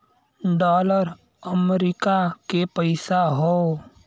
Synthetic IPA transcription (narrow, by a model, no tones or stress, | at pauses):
ɖɔːləɾ | əmɾikakepəɪsaɦoː